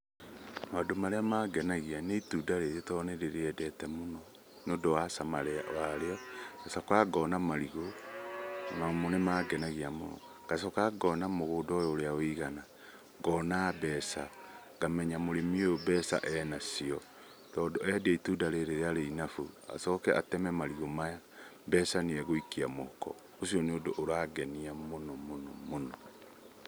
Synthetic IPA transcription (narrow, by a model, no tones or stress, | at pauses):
madomaɾeamaɡɛnaɣianeitudaɾeɾetɔneɾeɾeɛdɛtɛmonɔ | nodowasamaɾeawaɾeɔkasakaɡɔnamaɾiɣo | mamonemaɡɛnaɣiamonɔ̰ | ɡ̥asɔkaɡɔnamoɣoːdɔjɔoɾeaoiɣana | ɡɔːnabɛːsa | ɡamɛɲamoɾemiojobɛsa̰ʔɛnasiɔ | tɔːdɔɛdiaitudaɾeɾeeaɾeinafua̰sɔkɛʔa̰tɛmɛmaɾiɣomaja | bɛsaniɛɣoikiamokɔ̰ | osiɔneodoʔːɾaɡɛniamonɔmonɔmonɔ